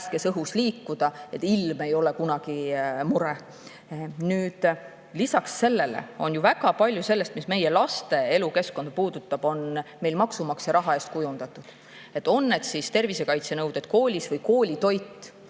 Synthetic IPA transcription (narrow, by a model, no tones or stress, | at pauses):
ske̞sɤɦusliːkːud̪̥ɑe̞t̪ːˑilme̞jo̞le̞kunɑɡ̥imuɾe | nyːd̪̥ | lisɑksːe̞lːe̞lḛo̞̰njuvæɡ̥ɑpɑlʲjuse̞lːest̪misme̞je̞lɑst̪e̞e̞luke̞sko̞nd̪̚puːd̪̥ut̪ːˑɑb̥o̞nme̞jlmɑksumɑksjɑɾɑɦɑe̞ːst̪kujund̪̥ɑt̪ːˑud̪̥ | e̞t̪ːˑo̞nːe̞d̪̥sist̪e̞rvise̞kɑjt̪se̞nɤwd̪̥et̪ko̞ːlʲisvɤjko̞ːlʲit̪o̞jt̪ːˑ